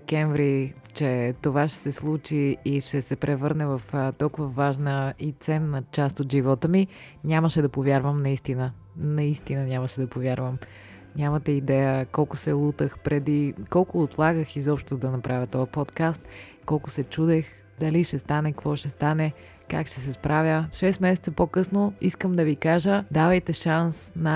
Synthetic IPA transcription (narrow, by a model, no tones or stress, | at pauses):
ɛkɛɱvɾi | t͡ʃɛt̪ovaʃɛ̥sɛslˠut͡ʃiːʃɛsɛpɾɛvəɾnɛvɐft̪ɔlˠkʊvəvaʒnəit̪sɛnːət͡ʃast̪ot̪ʒivɔt̪əmi | nʲaməʃɛd̪ɐpovjaɾvəmnɐist̪inə | nɐist̪inənʲaməʃɛd̪ɐpovʲjaɾvəm | nʲamət̪ɛid̪ɛjəkɔlˠkʊsɛlˠut̪əxpɾɛd̪ikɔlˠkʊːt̪lˠaɡəxizɔpʃt̪ʊd̪ɐnɐpɾʔavʲət̪ɔɐpɔt̪kast̪ | kɔlˠkʊsɛt͡ʃud̪ɛx | d̪ɐliʃɛst̪anɛkvɔʃɛst̪anɛ | kakʃt̪ɛsɛspɾʔavʲjəʃɛsmɛsɛt̪səpokɤsnoiskəmd̪ɐvikaʒəd̪avɐjt̪ɛʃansnɐ